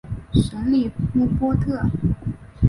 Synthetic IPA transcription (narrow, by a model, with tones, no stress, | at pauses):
ʂə˧˥nli˥˩mu˥˩pwɔ˥t̪ʰɤ˥˩